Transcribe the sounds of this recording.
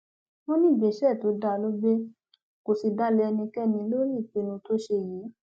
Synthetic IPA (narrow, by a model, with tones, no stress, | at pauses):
wɔ̃˦nĩ˦˨be˨ʃɛ˦˨to˨˦da˧˦˧lo˦be˦ | ko˨si˧da˦le˧ɛ˧nĩ˧kɛ˦nĩ˧˦lo˦ɾi˦˨k͡pe˧˦nũ˧to˦ʃe˧˨jiː˨˦